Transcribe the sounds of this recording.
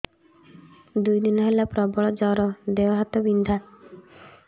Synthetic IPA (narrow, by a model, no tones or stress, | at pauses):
d̪ujd̪inɔɦelapɾɔbɔɭɔd͡ʒɔɾɔd̪eɔɦat̪ɔbind̪ʱa